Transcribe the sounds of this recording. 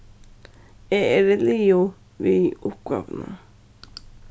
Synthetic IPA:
eʔeɾelijo | βiiukʷa̰βnã̰

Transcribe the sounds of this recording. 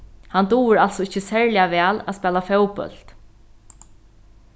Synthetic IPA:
hant̪uːɾalsɔɪçːəsɛɹlɪaʋæːlæ̰spɛːlafɛwpœ̰l̥t̪

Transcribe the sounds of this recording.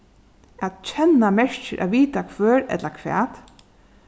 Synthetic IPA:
at̪t͡ʃʰɛnːamɛɹ̥t͡ʃəʔæ̰ʋiːt̪akʰʋœːɹɛ̰t̪lakʰʋɛ̰ːt̪

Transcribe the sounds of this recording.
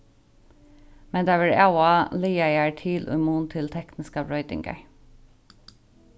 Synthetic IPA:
mɛnd̪ɑʋɪɹɑʊɑliːæɪæːɹʈʰiːlʔʉ̰muːnt̪ʰɪlt̪ʰɛknɪskɑɹœʏd̪ɪ̰ŋɡə̰ɹ

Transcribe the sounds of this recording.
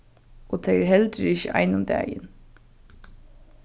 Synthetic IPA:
ʔoːt̪ʰeɪəɾhɛld̪əɾɪçəʔɑ̰ɪnʊmd̪æ̰ːjə̰n

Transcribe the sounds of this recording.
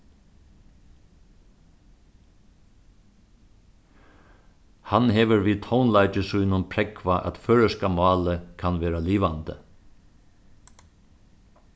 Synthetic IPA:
hanɦɛːʋəɾʋiːt̪ʰownlaɪt͡ʃəsʊjnʊnpʰɾɛkʰʋaʔæ̰t̪føːɹəskamɑːləkʰanʋeːɾaliːʋant̪ə̰

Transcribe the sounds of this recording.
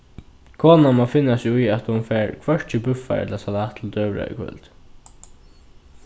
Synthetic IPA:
kʰoːnamafɪnːasujat̪hʊnfɛːɹkʰvœɹt͡ʃɪbʉfa̰ɛ̰t̪lasalaːt̪ʰl̩d̪œːvɹa̰ɪ̰kʰvœ̰lt̪

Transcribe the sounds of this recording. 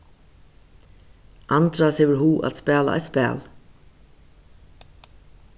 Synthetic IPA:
ʔɑnd̪ɾɑseːʋɪlhuːʔɑ̰t̪spæːlɑ̰ʔæ̰ːspæ̰ːl

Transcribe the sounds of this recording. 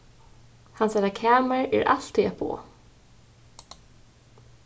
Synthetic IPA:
hansaɾakʰaːmaɹɛ̰ɾʔa̰l̥t̪ʰiɛpʰo̰ː

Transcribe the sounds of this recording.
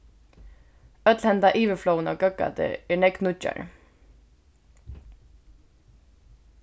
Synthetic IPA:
œt̪lhɛnt̪aʔiːʋəflownɔːɡœɡa̰t̪ə̰ɛːɹnɛɡd̪nʊt͡ʃa̰ɹ

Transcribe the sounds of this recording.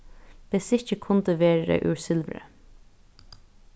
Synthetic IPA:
pɪsɪççəkʰʊnt̪əʋeːɾɾə̰ʔʉ̰ːɹsɪlʋɾə̰

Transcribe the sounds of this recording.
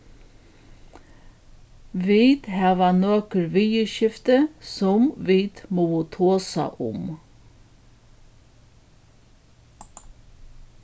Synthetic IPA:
ʋiːd̪hæːʋanoːkəɾʋiːjəʃɪft̪əsʊmʋiːd̪mɔːət̪ʰoːsa̰ʔʊ̰m

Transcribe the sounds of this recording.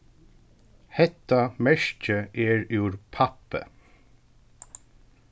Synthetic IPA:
hɛt̪ːamɛʃcəʔɛɹʉːɾpʰapə̰

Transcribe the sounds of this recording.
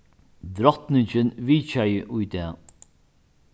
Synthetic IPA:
d̪ɾɔt̪nɪɲt͡ʃɪnviːt͡ʃajɪʔʊjt̪ɛː

